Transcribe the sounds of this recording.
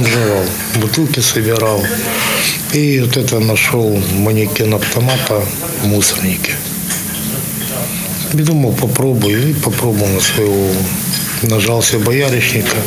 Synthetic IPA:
mʐɐʋɑlˠ | bʊt̪ɪlˠkɪsɐbʲɪɾɑlˠ | iɔt̪ɛt̪ɐnɐʃɔlˠmɐnʲɪkʲɪnɐft̪ɐmat̪ɐ | musɐrnʲɪkʲɪ̥ | ʋʲid̪omɐwˠpɐpɾobʊjɪipɐpɾobɨlˠnɐsʋɐjɔ | nɐʒɑlˠsʲɐbɐjaɾʲɪt͡ʃnʲɪkɐ

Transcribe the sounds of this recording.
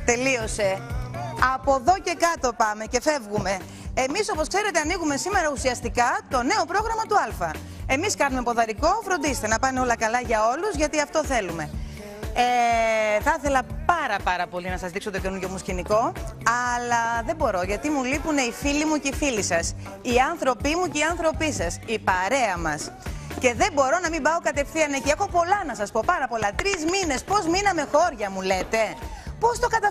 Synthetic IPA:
t̪e̞lio̞se̞ | ɐpo̞ðo̞ce̞kɐt̪o̞pɐme̞ce̞fe̞vɣume̞ː | miso̞po̞skse̞ɾe̞t̪eɐniɣume̞sime̞ɾɐusiɐst̪ikɐt̪o̞ne̞o̞pɾo̞ɣɾɐmɐt̪uɐlfɐ | e̞miskɐnume̞po̞ðɐɾiko̞fɾo̞nd̪isest̪enɐpɐneo̞lɐkɐlɐʝɐo̞luzʝɐt̪iɐft̪o̞θe̞lume̞ | eθɐθe̞lɐpɐɾɐpɐɾɐpo̞linɐsɐzðikso̞t̪ocenuʝo̞musciniko̞ɐlɐðe̞bo̞ɾo̞ʝɐt̪imulipune̞ifilimuceifilisɐs | iɐnθɾo̞pimuceiɐnθɾo̞pisɐsipɐɾe̞ɐmɐsce̞ðe̞mbo̞ɾo̞nɐmimbɐo̞kɐt̪e̞fθiɐneciexo̞po̞lɐnɐsɐspo̞pɐɾɐpo̞lɐt̪ɾizmine̞spo̞zminɐme̞xo̞ɾʝɐmule̞t̪e̞po̞st̪o̞kɐt̪ɐ

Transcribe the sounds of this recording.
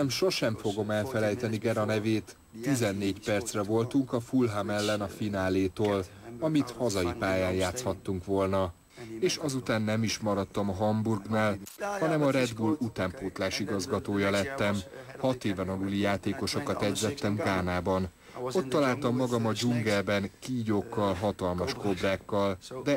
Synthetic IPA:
ɛmʃo̞ʃɛɱfo̞ɡo̞mɛlfɛlɛjt̪ɛniɡɛɾɒnɛveːt̪ː | izɛnːeːcpɛrt̪srɛvo̞lt̪uŋkɒfulɦamɛlːɛnɒfinaːleːt̪oːl | ɒmit̪hɒzɒjipaːjaːnjaːt̪shɒt̪ːuŋkʋo̞lnɒ | eːʃɒzut̪aːnːɛmiʃmɒɾɒt̪ːɒmɒɦɒmburɡnaːlhɒnɛmɒɾɛd̪bulut̪aːmpuːt̪laːʃiɡɒzɡɒt̪oːjɒlɛt̪ːɛmhɒt̪eːvɛnɒluːlijaːt̪eːko̞ʃokɒt̪ɛɟzɛt̪ːɛmɡaːnaːbɒn | o̞t̪ːɒlaːlt̪ɒmːɒɡɒmɒd͡ʒuŋɡɛlbɛnkiːɟokːɒlɦɒt̪ɒlmɒʃko̞braːkːɒld̪ɛ

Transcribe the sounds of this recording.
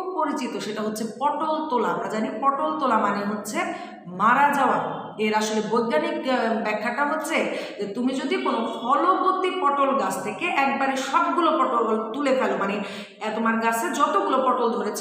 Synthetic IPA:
poɾit͡ɕit̪oʃeʈaɦotːɕʰepɔʈolt̪olaamɾad͡ʑanipɔʈolt̪olamaneɦotːɕʰe | maɾad͡ʑaoa | eɾaʃolebojɡ̪anikbɛkʰːaʈaɦotːɕʰed͡ʑet̪umid͡ʑod̪ikonofɔlobot̪ːipɔʈolɡat͡ɕʰt̪ʰekeʔɛk̚baɾeʃɔb̚ɡulopɔʈololt̪ulefɛlomane | ɛt̪omaɾɡasʰed͡ʑɔt̪oɡulopɔʈold̪ʱoɾet͡ɕʰ

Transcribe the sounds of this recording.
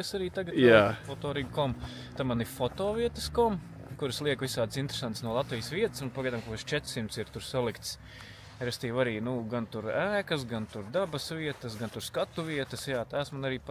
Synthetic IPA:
esaɾiːt̪aɡtjaːfɔt̪ɔːɾiːɡkɔm | t̪amanifɔt̪ɔːʋiɛt̪əskɔm | kuɾslˠiɛkʋisaːd̪sint̪ɾe̥sant̪snuɔlˠat̪ʋijəsʋiɛt̪ɪ̥sunpaɡajd̪aːmkuʋɛʃt͡ʃɛt̪ɾ̥simt̪siɾt̪uɾsalˠikt̪s | ɾɛst̪iːwaɾiːnuɡant̪uɾæːkɐs̬ɡant̪uɾd̪abɐsʋiɛt̪ɐsɡant̪uɾskat̪uʋiɛt̪ɐsjaːt̪aːsmanaɾiːp

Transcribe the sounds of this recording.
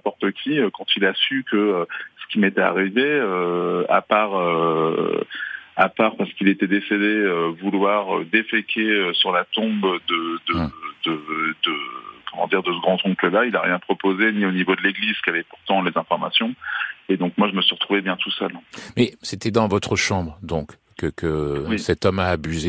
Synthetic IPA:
nɛ̃pɔʁt̪əkʲʰiøkɑ̃t̪ilasykəøsə̥kʲimet̪ɛa̰ʁiveøa̰paʁø | apaʁpaʁsə̥kilet̪ɛd̪esed̪eøvulwaʁød̪efekʲʰeøsyʁlat̪ɔ̃bd̪əd̪əd̪̥əd̪əkɔmɑ̰̃d̪iʁd̪əsəɡʁɑ̃t̪ɔ̃kləlailaʁjɛ̃pχɔpozenionivod̪əleɡliz̥kʲavɛpuʁt̪ɑ̃lezɛ̃fɔʁma̰sjɔ̃ed̪ɔ̃k̚mwaʒəməsɥiʁət̪χuvebjɛ̃t̪usœlmɛset̪ɛd̪ɑ̃vɔt̪χəʃɑ̃bʁəd̪ɔ̃kː | əkʰəwisɛt̪ɔmaːbyze

